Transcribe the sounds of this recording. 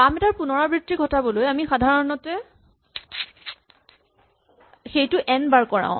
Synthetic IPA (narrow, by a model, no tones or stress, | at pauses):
amɛtaɹpunɔɹabɹitːiɡʱɔtabɔlojamixadʱaɹɔnɔtɛ | xejtʊʔɛnbaɹkɔɹã̰ʊ̃